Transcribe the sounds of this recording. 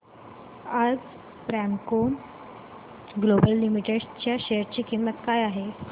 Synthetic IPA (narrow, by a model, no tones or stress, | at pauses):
ad͡z | pɾæmkom | ɡlobəlːimiʈeɖt͡ɕjaɕejəɾt͡ɕiːkimːət̪kajaɦe